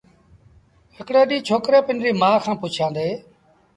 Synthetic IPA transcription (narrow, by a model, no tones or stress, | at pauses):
ɦɪkɽeːɗiːt͡ʃʰoːkɾeːpɪnɾiːmãːkʰãːpʊt͡ʃʰãːnd̪eː